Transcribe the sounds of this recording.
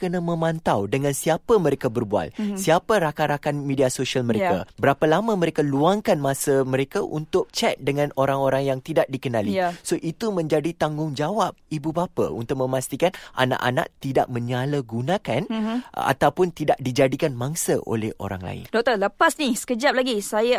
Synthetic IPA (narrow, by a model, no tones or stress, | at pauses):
kənãmə̃mãnt̪awdəŋãnsiapamə̃ɾekabərbua̰lsiapaɾakaɾakanmediasoʃialmə̃ɾekabəɾapalamãməɾekaluaŋkanmãsamə̃ɾekaʔṵnt̪ʊʔ̚t͡ʃɛt̪̚dəŋãnoɾaŋoɾaŋjaŋt̪idaʔ̚dikənãlisoʔit̪umə̃ɲd͡ʒadit̪aŋɡʊŋd͡ʒawap̚ibubapa̰ṵnt̪ʊk̚mə̃mast̪ikanʔa̰na̰ʔa̰na̰ʔ̚t̪ida̰ʔ̚mə̃ɲaləɡunãkana̰t̪awpʊnt̪idaʔ̚did͡ʒadikanmãŋsaʔo̰lɛ̰ho̰ɾa̰ŋla̰ɪ̰ndɔk̚t̪ələpasnisə̥kəd͡ʒap̚laɡisaja